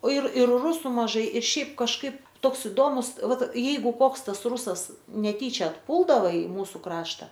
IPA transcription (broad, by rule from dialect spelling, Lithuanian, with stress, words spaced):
oː ɪr ɪr ˈrʊsʊ mɐˈʒɐɪ ɪr ˈʃʲɛɪp kɐʃˈkɐɪp ˈtoːks ɪˈdoːmʊs ˈʋɐt ˈjɛɪɡʊ ˈkoːks ˈtɐs ˈruːsɐs nʲɛˈtʲiːt͡ʃʲɛ ɐtˈpuːlˠdɐʋɐ ɪ ˈmuːsʊ ˈkrɑːʃtɐ